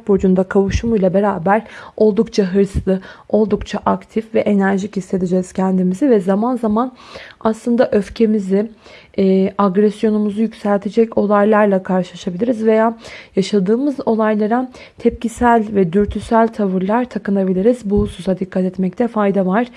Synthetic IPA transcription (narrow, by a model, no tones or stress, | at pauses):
t̪̚bod͡ʒund̪akʰavuʃumujlˠabe̞ɾaːbæɾ̥o̞lˠd̪ukt͡ʃʰaɦɯɾslˠɯo̞lˠd̪ukt͡ʃʰaʔakt̪ʰifvɛʔe̞næɾʒichist̪e̞d̪id͡ʒɛːz̥cʰɛnd̪imizivɛzamanzamanaslˠɯnd̪aʔø̞fcʰe̞mizɪː | aɡɾɛsjo̞numuzujycsælʲt̪ʰed͡ʒɛco̞lˠajlˠaɾlˠakʰaɾʃɯlˠaʃabilʲiɾizve̞jaːjaʃad̪ɯːmɯzo̞lˠajlˠaɾa | t̪ʰɛp̚cisælʲvɛd̪yɾt̪ʰysælʲt̪ʰavɯɾlˠaɾt̪ʰakɯnabilʲiɾizbusuzad̪ikːat̪ɛt̪mɛc̚t̪ʰɛfajd̪avaɾ̥